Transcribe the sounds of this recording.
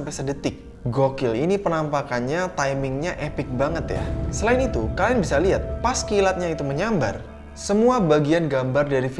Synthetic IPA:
mpɛjsədət̪ɪk̚ | ɡokɪlḭnipənampakanɲat̪ajmɪŋɲaʔepɪk̚baŋət̪ja̰səlaɪnit̪ukalajanbisaliɦat̪̚paskiːlat̪̚ɲait̪uməɲamba̰r | səmuabaɡianɡambardaɾif

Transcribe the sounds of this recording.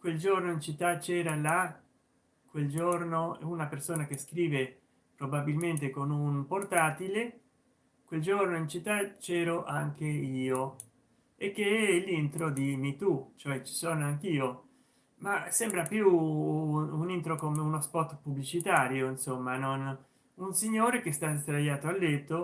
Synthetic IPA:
kweld͡ʒornoint͡ʃit̪ːat͡ʃɛːɾala | kweld͡ʒornounapersoːnak̟eskɾiːve | pɾobabilment̪ekonunport̪aːt̪ile | kweld͡ʒornoint͡ʃit̪ːat͡ʃɛːɾoʔaŋkeiːo | ekːeɛlːint̪ɾod̪imit̪ut͡ʃoɛt͡ʃi̥soːnoaŋk̟iːo | masɛmbɾapju | unint̪ɾokomeunospɔt̪ːpublit͡ʃit̪aːɾjoinsomːanon | unsiɲːoːɾek̟est̪ast̪ɾajaːt̪oalːet̪ːo

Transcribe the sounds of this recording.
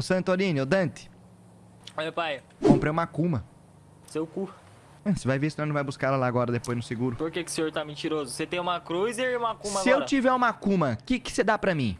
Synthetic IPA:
ʊsɐ̃nt̪oɾĩnɪod̪ɐ̃t̪ɪ̥ | oepaj | kõpɾejũmɐkũmɐ | sewkuɐ | ɐ̃sɪvajvesoɾnɐ̃vajbuskaɛlɐlaːɡɔɾɐd̪epojznʊsɪɡuɾʊpoɾkekɪʊ̥sẽɲoɾt̪amĩt͡ʃiɾozʊset̪ẽj̃ũmɐkɾujzeũmɐkũmɐsɡɪewɾt͡ʃivɛɾũmɐkũmɐkɪkɪ̥sed̪apɾɐmĩ

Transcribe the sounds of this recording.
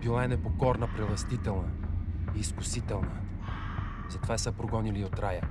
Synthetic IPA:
b̥ilˠaɛnɛpokɔɾnəpɾɛvˠɐst̪it̪ɛlˠnəiːskʊsit̪ɛlˠnə | zɐt̪ovasəpɾoɡɔniliot̪ɾajə

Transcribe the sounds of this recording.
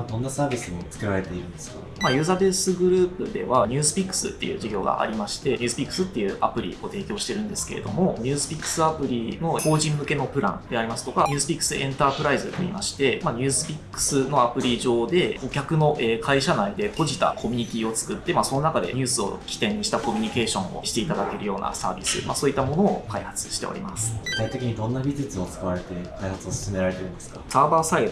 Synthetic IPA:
d̪õ̞nːasaːbʲisɨmot͡sɨ̥keɾaɾet̪e̞iɾɯ̟̃nd̪eska | majɯ̟ːzabesɨɡɯ̟ɾɯ̟ːpɯ̟d̪e̞̰βaɲ̟ɨːsɨ̥pʲikːɯ̥sɨ̰t̪ːe̞̰jɯ̟̰ːʑiɡʲo̞ːɡa̰a̰ɾʲimaɕi̥t̪e̞ɲʲɨːsɨpʲikːɯ̟̥sɨt̪ːe̞jɯ̟̰ːʔa̰pɯ̟ɾʲḭo̞t̪e̞ːkʲo̞ːɕi̥t̪e̞ɾɯ̟̃nd̪e̞sɨ̥ke̞ɾe̞d̪o̞̰mo̞ɲ̟ɨːsɨ̥pʲikːɯ̥sɨapɯ̟ɾʲino̞ko̞ːʑĩmːɯ̟ke̞no̞pɯ̟ɾã̰nd̪e̞aɾʲimasɨ̥t̪o̞kaɲʲɯːsɨ̥pʲikːɯ̥sɨʔẽ̞nt̪aːpɯ̟ɾaizɨt̪oimaɕi̥t̪e̞maɲ̟ʲɨ̟ːsɨ̥pʲikːɯ̥sɨno̞apɯ̟ɾʲiʑo̞ːd̪e̞o̞kʲakɯ̟no̞ʔeːkʰaiɕanaid̪e̞po̞ʑit̪a̰kʰo̞mʲiɲ̟ik̪ʲiot͡sɨ̥kɯt̪ːe̞maso̞no̞nakad̪e̞̰ɲ̟ɨːsɨo̞̰kʲi̥t̪ẽ̞ɲiɕi̥t̪ako̞mʲiɲ̟ike̞ːɕõ̞̰o̞̰ɕi̥t̪e̞it̪ad̪ake̞ɾɯ̟jo̞ːna̰sa̰ːbʲḭsɨ̰ma̰soːit̪ːamo̞no̞ːkaihat͡sɨ̥ɕi̥t̪e̞o̰ḭmasɨ̥ɡɯ̥t̪ait̪e̞kʲiɲ̟id̪õ̞nːabʲizɨt͡sɨot͡sɨ̥kaβaɾe̞t̪e̞kaihat͡sɨosɨ̥sɨme̞ɾaɾe̞t̪eɯnd̪esɨ̥kasaːbaːsai

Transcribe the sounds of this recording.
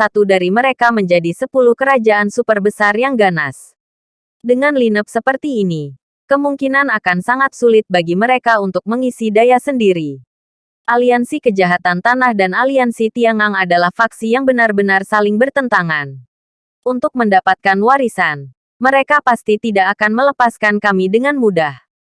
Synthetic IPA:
sat̪udaɾiməɾekaməɲd͡ʒadisəpuluhkəɾad͡ʒaʔansupərbəsarjaŋɡanas | dəŋanlinəp̚səpərt̪iːni | kəmuŋkinanakansaŋat̪̚sulɪt̪̚baɡiməɾekaunt̪ʊk̚məŋisidajasəndiɾi | ʔaliansikəd͡ʒaɦat̪ant̪anahdanaliansit̪iaŋaŋadalahfaksijaŋbənarbənarsalɪŋbərt̪ənt̪aŋan | ʔunt̪ʊk̚məndapat̪̚kanwaɾisan | məɾekapast̪it̪idaʔːkanmələpaskankamidəŋanmudah

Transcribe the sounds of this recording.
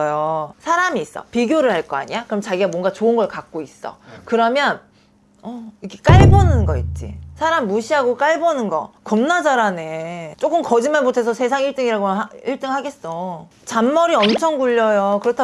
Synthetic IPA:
josʰaɾamiːs͈ʌ̰piɡjoɾɯɭhaɭk͈ʌa̰ɲiakɯɾʌmt͡ɕaɡiɡamwʌŋɡat͡ɕoɯnɡʌɭkak̚k͈ois͈ʌ̰kɯɾʌmjʌn | ʌikek͈aɭbʌnɯnɡʌit̚t͡ɕ͈ḭsʰaɾamːuɕʰiɦaɡok͈aɭbʌnɯnɡʌ̰kʌmnad͡ʑaɾane̞t͡ɕ͈ok͈ɯmkʌd͡ʑimaɭmotʰe̞s̬ʰʌsʰe̞s̬ʰaŋiɭt͈ɯŋiɾaɡomaiɭt͈ɯŋɦaɡe̞s͈o | t͡ɕamːʌɾiʌmt͡ɕʰʌŋɡuʎːʌjokɯɾʌtʰa

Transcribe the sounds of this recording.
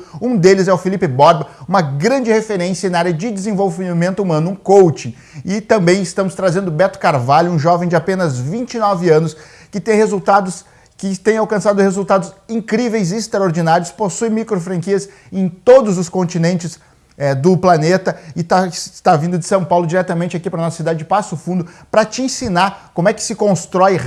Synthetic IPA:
ũd̪elɪzɛʊfilipɪbɔɾbɐũmɐɡɾɐ̃d͡ʒɪhefeɾẽsjɐnaaɾjɐd͡ʒɪd͡ʒ̪ɪzẽvowvimẽnt̪ʊumɐ̃nʊũkowt͡ʃĩ | ɪt̪ɐ̃mbẽj̃ɪst̪ɐ̃mʊst̪ɾazẽnd̪ʊbɛt̪ʊ̥kaɾvaʎjʊũʒɔvẽj̃d͡ʒɪapẽnɐzvĩnt͡ʃinɔvɪɐ̃nʊs | kɪt̪ẽj̃hezuwt̪ad̪ʊs | kɪt̪ẽj̃awkɐ̃sad̪ʊhezult̪ad̪ʊzĩŋkɾivejzɪːst̪ɾɐoɾd͡ʒinaɾiʊsposuj̃mikɾofɾɐ̃ŋkiɐz | ẽj̃t̪od̪ʊzʊskõnt͡ʃinẽnt͡ʃɪz | ɛd̪ʊplanet̪ɐɪt̪ast̪avĩnd̪ʊd͡ʒɪsɐ̃w̃pawlʊd͡ʒiɾɛt̪ɐmẽt͡ʃɪakipɾɐnɔsɐ̥sid̪ad͡ʒɪd͡ʒɪpasʊfũnd̪ʊpɾɐt͡ʃɪẽsinakõmʊɛkɪ̥sɪkõst̪ɾɔj

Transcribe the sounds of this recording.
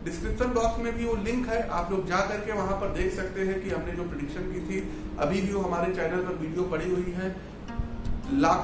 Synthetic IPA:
ɖɪskɾɪpʃənbɔːksmẽbʱiʋolɪ̃ŋkɦɛʔaːploːɡ̚d͡ʒaːkɐɾkeʋɐɦãpɐɾd̪eːkʰsɐkt̪eɦɛ̃kiɦɐmned͡ʒoːpɾeɖɪkʃənbit̪ʰi | ɐ̰bʱibʱioɦɐmaːɾit͡ʃaːɪnəlpɐɾʋiːɖijopɐɽ̤iɦʊiɦɛ̃ː | laːk

